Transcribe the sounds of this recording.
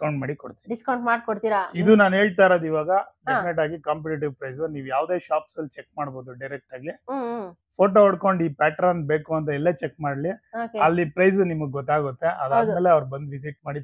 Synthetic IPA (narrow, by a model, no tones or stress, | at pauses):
iskɐwɳʈmaːɽikoɽt̪iiiskɐw̃ɳʈmaːɖkoɽt̪iːɾaid̪unaːnɦe̞ːɭt̪aːjɾod̪iʋaːɡɐɖepʰineʈ̬aːɡikɐmpeʈiʈ̬iʋpɾɐjsuniːʋujaːʋd̪e̞ːʃaːpsɐlːut͡ʃek̚maːɽbo̞ːd̪uɖɐjɾek̚ʈaːɡi | pʰoːʈoɦɐɽkoɳɖiːpaːʈɾɐnbe̞ːkuɐnt̪̬ɐɛlːeːt͡ʃekmaːɽliokeɐlːipɾɐjsunimɐɡeɡɔt̪ːaːɡut̪ːe̞ʔɐd̪aːd̪meːleɐʋɾbɐnd̪ʋis̬iʈ̚maːɽi